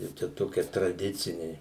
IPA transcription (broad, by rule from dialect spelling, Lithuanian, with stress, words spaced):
ˈjɛʊ ˈt͡ʃʲɛ ˈtoːkʲiɛ trɐˈdʲɪt͡sʲɪnʲɛɪ